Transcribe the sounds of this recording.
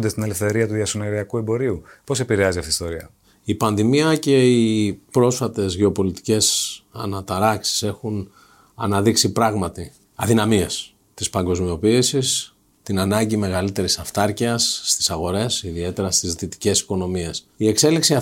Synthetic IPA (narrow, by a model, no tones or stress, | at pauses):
nd̪est̪ine̞lefθe̞ɾiɐt̪uðiɐsoneɾiɐkue̞mbo̞ɾiupo̞se̞piɾeɐziɐft̪ist̪o̞ɾiɐ̰ | ipɐnðimiɐce̞ipɾo̞sfɐt̪e̞zʝe̞o̞po̞lit̪i̥ce̞sɐ̰nɐt̪ɐɾɐksi̥se̞xun | ɐ̰nɐðiksipɾɐɣmɐt̪i | ɐðinɐmies | t̪ispɐŋɡo̞zmio̞piːsis | t̪inɐnɐɲɟime̞ɣɐlit̪e̞ɾisɐft̪ɐɾciɐsːt̪i̥sɐɣo̞ɾe̞siðie̞t̪e̞ɾɐst̪izðit̪i̥ce̞si̥ko̞no̞mie̞s | ie̞kse̞liksiɐ